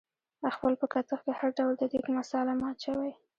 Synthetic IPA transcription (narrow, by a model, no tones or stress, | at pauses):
axpəlpəkat̪əxkehaɾɖawld̪əd̪ikmasɑlamɑt͡ʃawaj